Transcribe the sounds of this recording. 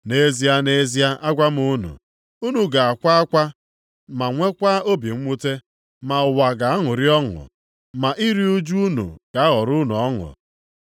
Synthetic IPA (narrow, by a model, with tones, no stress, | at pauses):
ne˦zi˦a˦ne˦zi˦a˦ʔa˦ɡʷa˦m˦u˦nṵ˨ | u˦nu˨ɡa˨a˨kʷa˦a˦kʷa˦ | ma˨ŋʷe˦kʷa˦o˦bi˨ŋ̩˦ŋʷu˦te˦ | ma˨ʊ˨wa˨ɡa˨a˦ŋʊ˨ɾi˦ɔ˦ŋʊ̰˨ | ma˨ʔi˦ɾi˦u˦d͡ʒu˦u˦nṵ˨ɡ̥a˨a˦ɦɔ˨ɾʊ˦nu˨ɔ˦ŋʊ̰˨